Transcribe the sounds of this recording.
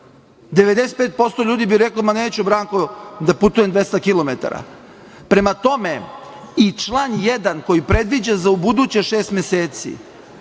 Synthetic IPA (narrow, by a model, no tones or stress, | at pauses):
d̪eʋed̪eset̪̚peːt̪̚po̞st̪oʎuːd̪ibiɾeklomaneːt͡ɕubɾaːŋkod̪aput̪ujemd̪ʋest̪akilˠomet̪a̰ɾa̰ | pɾe̞mat̪o̞me̞ | it͡ʃlˠanjed̪anko̞jipɾe̞d̪ʋid͡ʑazaubud̪ut͡ɕeʃeːst̪mjeseːt̪sḭ